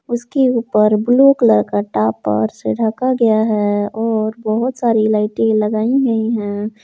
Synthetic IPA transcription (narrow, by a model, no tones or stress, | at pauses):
ʊskeuːpəɾbloːklɐɾkəɾʈaːpːə̰ɾseɖʱakaɡɐjaɦɛɔːɾbɐɦʊt̪saːɾilaːɪʈĩlɐɡaːĩɡɐiɦɛ̃ː